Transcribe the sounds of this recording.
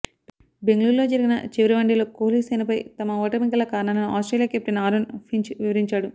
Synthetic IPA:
beŋɡluːɾlo̞ːd͡ʒɐɾiɡinɐt͡ʃiʋɐɾiʋɐɳɖiloːkoːliːsɐjnɐpɐjt̪ɐmɐɔːʈɐmikɐlɐkaːɾnaːlɐnua̰ːsʈɾelijaːkep̚t̪inɐaːɾonpʰiɲt͡ʃʋiʋɐɾiɲt͡ʃaːɽu

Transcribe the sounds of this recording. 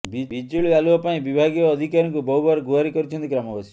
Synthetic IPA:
bibid͡ʒuɭialuɔpaĩbibʱaɡijɔːd̪ʱikaɾɔŋkubɔɦubaɾɔɡuaɾikɔɾit͡ʃʰɔnt̪ikɾamɔbasi̥

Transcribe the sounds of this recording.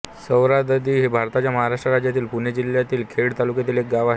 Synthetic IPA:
səwɾad̪əd̪iːɦebʱaɾt̪at͡ɕjaməɦaɾaʂʈɾəɾad͡ʑjat̪iːlpuɳjed͡ʑiljat̪iːlkʰeɽt̪alukjat̪iːlek̚ɡaʋaɦe

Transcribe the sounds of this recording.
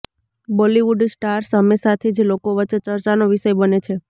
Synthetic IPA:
bɔliʋuɖsʈaɾsəmesat̪ʰed͡ʒlokoʋət͡ʃːet͡ʃəɾt͡ʃanoʋiʃəjbənet͡ʃʰe

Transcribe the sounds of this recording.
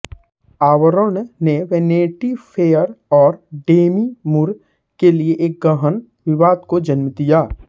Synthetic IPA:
aːʋɾoːnneʋeːneːʈipʰeːəɾɔːɾɖeːmimʊɾ | kelieʔeːk̚ɡəɦən | ʋɪʋaːd̪kod͡ʒənmd̪ijaː

